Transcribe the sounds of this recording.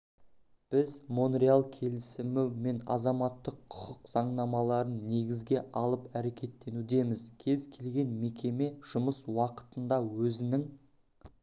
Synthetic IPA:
b̥ɪzmonrealˠkʲʰe̞lɪsɪmɪme̞nɑzɑmɑt̪ːəqʰːʊ̥qəqz̥ɑɴnɑmɑlˠɑɾənːe̞ɡʲɪzɡʲe̞ʔɑlˠəpæɾe̞kʲe̞t̪ːe̞nud̪e̞mɪzkʲʰe̞zkʲʰe̞lɡʲe̞nme̞kʲe̞me̞ʒ̥ʊməswɑqə̥t̪ənd̪ɑwɵzɪnɪŋ

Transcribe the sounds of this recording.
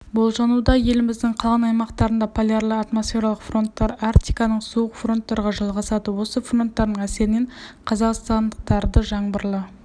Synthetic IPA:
bolˠʒɑnud̪ɑje̞lɪmɪzd̪ɪɴqʰɑlˠʁɑnɑjmɑqt̪ɑɾənd̪ɑpʰolʲjarlˠəɑt̪mo̞sfʲe̞ɾalˠəqfro̞nt̪ːɑɾɑrt̪ijkɑnəɴsuəqfro̞nt̪ːɑɾʁɑʒɑlˠʁɑsɑd̪əwo̞səfro̞nt̪ːɑɾd̪əɴæse̞ɾɪne̞ɴqʰɑzɑqst̪ɑnd̪əq̚t̪ɑɾd̪əʒɑɴbəɾlˠə

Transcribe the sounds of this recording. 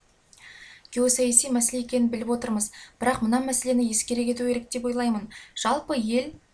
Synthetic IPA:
ɡ̥ʲeosɑjæsijmæsele̞ekʲe̞nɪnbɪlɪpwo̞t̪əɾməzbɪɾɑqmənɑmæse̞le̞nɪje̞skʲe̞ɾe̞kʲe̞t̪ue̞ɾek̚d̪e̞p̬wo̞jlˠɑjmənʒ̥ɑlˠpəje̞l

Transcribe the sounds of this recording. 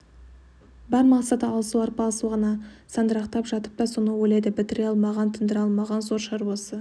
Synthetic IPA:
bæɾmɑqsɑt̪əɑlˠsuwɑɾpɑlˠəsuʁɑnɑsɑnd̪əɾɑqt̪ɑpʒɑt̪ə̥p̚t̪ɑsonəwɵjlejd̪ɪbɪt̪ɪɾeɑlˠmɑʁɑnt̪ʰənd̪əɾɑlˠmɑʁɑnzo̞ɾʃɑɾwosə

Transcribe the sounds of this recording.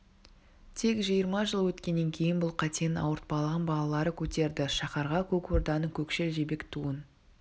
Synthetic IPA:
t̪ʰe̞kʒijəɾmɑʒəlˠwɵt̪kʲe̞nːe̞ŋkʲʰe̞jɪnbʊlˠqʰɑt̪ejnɑ̰wəɾt̪̚bɑlˠəʁɑnbɑlˠɑlˠɑɾəkʲʰɵt̪e̞ɾd̪ɪʃɑχɑɾʁɑkʲʰɵko̞ɾd̪ɑnəkʲʰɵkʃe̞lʒe̞be̞kt̪ʰuən

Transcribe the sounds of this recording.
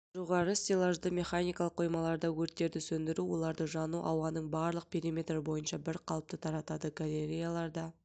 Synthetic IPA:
ʒo̞ʁɑɾəsʲt̪ʲelˠaʒd̪əmʲe̞χanijkɑlˠəqːʰo̞jmɑlˠɑɾd̪ɑwɵɾt̪ːe̞ɾd̪ɪsɵnd̪ɪɾuwo̞lˠɑɾd̪əʒɑnuʔɑwɑnəɴbɑɾlˠəq̚pʰʲe̞ɾimʲe̞t̪rəbo̞jənʃɑbɪɾqʰɑlˠəp̚t̪ət̪ʰɑɾɑt̪ɑd̪əɡalʲe̞ɾʲijalˠɑɾd̪ɑ

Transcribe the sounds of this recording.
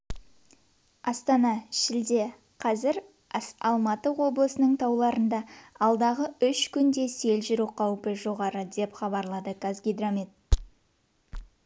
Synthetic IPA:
ɑst̪ɑnɑʃɪld̪e̞ | qʰɑzɪɾ | sɑlˠmɑt̪əwo̞blˠəsənəɴt̪ʰɑwlˠɑɾənd̪ɑɑlˠd̪ɑʁəʏʃkʲʰʏnd̪e̞se̞lʒɪɾuqʰɑwpəʒo̞ʁɑɾəd̪e̞pχɑbɑɾlˠɑd̪əkazɡʲid̪ɾomit̪̚

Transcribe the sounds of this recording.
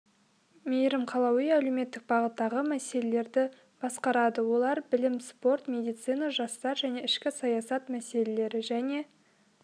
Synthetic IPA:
mejɾɪmqʰɑlˠɑwijæleme̞t̪ːɪk̚bɑʁət̪ːɑʁəmæse̞le̞le̞ɾd̪ɪ | b̥ɑsqɑɾɑd̪əwo̞lˠɑɾbɪlɪmspo̞rt̪mʲe̞d̪ijt̪sɨjnɑʒɑst̪ɑɾʒæne̞ɪʃkʲɪsɑjɑsɑt̪mæse̞le̞le̞ɾɪʒæne̞

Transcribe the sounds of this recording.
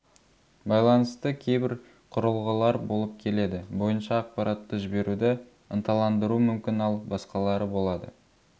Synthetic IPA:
bɑjlˠɑnəst̪əkʲʰe̞jbɪɾ | qʰʊɾəlˠʁəlˠɑɾbo̞lˠəp̚kʲʰe̞le̞d̪ɪbo̞jənʃɑːq̚pɑɾʔɑt̪ːəʒɪbe̞ɾud̪ɪ | ənt̪ʰɑlˠɑnd̪əɾumʏmkʲɪnɑlˠbɑsqɑlˠɑɾəbo̞lˠɑd̪ə̰

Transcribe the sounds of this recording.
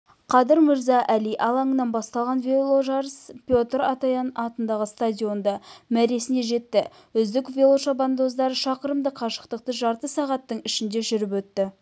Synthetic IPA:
qʰɑd̪əɾmɪɾzɑʔæliʔɑlˠɑɴənːɑnbɑst̪ɑlˠʁɑnvʲelˠoʒɑɾəspʲjo̞t̪ɾɑt̪ɑjɑnɑt̪ənd̪ɑʁəst̪ad̪ʲijo̞nd̪ɑmæɾe̞sɪne̞ʒe̞t̪ːɪ | ʏzd̪ɪkvʲe̞lˠo̞ʃɑband̪o̞zd̪ɑɾəʃɑqəɾəmd̪əqʰɑʃə̥q̚t̪əq̚t̪əʒɑɾt̪əsɑʁɑt̪ːəɴɪʃɪnd̪e̞ʒʏɾɪpwɵt̪ːɪ

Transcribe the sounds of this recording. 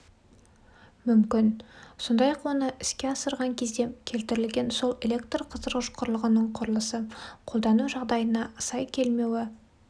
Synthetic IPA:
mʏmkʲɪnso̞nd̪ɑjɑqwonəʔɪskʲe̞ɑsəɾʁɑŋkʲʰe̞zd̪e̞kʲʰe̞lt̪ɪɾɪlɡʲe̞nso̞lˠe̞lʲekt̪rqʰəzəɾʁəʃqʰʊɾlˠəʁənəɴqʰʊɾlˠəsəqʰo̞lˠd̪ɑnuʒɑʁd̪ɑjənɑəsɑjkʲʰe̞lme̞wɪ

